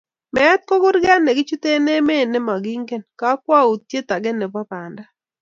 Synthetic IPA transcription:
mɛ˦t̪̚ko˦ɡʊ˦ɾɡɛ˦nːɛ˨ɡɪ˦t͡ʃu˦t̪e˦ne˦me˦˨nɛ˦ma˨ɡi˦ŋɡe˦nka˦kwa˦u˨t̪̚tje˦t̪a˨ɡɛ˦nɛ˨bɔ˦pa˨nda˦

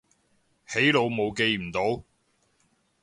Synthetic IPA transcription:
he˨˥jlo˨˧wmo˨˧wke˨˧jm̩˨˩t̪o˨˥w

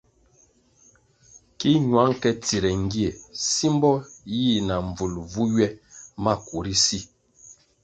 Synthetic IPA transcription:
ki˦ɲwa˨˦ŋkɛ˦ti˨ɾɛ˨ŋ˦ɡi˦e˨si˦mbɔ˦ji˦˨na˨ɱ˨b͡vu˨lvu˦ɥɛ˦ma˦ku˨ɾi˦si˦

